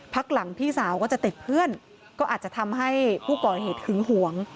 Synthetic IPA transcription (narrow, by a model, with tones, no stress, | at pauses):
pʰa˦˥k̚la˩˦ŋpʰiː˥˩saː˩˦wkɔː˥˩t͡ɕa˨˩t̪i˨˩t̪̚pʰɯ˥˩ən | kɔː˥˩ʔ̪̚ːt͡ɕa˨˩t̪ʰa˧mɦa˥˩jpʰuː˥˩kɔː˨˩heː˨˩t̪̚hʰɯ˩˦ŋɦu˩˦əŋ